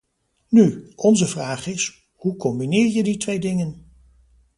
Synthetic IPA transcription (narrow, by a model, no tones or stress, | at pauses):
nyʔɔnzəvraːχɪs | hukɔmbinɪːɹjəditʋejdɪŋən